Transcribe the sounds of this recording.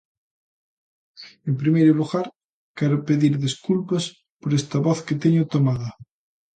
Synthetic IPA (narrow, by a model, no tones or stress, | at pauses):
empɾimejɾoluɣaɾ | keɾopeðiɾðiskulpas | poɾest̪aβoθket̪eɲot̪omaða